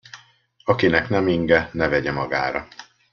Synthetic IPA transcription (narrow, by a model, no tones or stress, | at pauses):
ɒkinɛknɛmiŋɡɛnɛvɛɟɛmɒɡaːɾɒ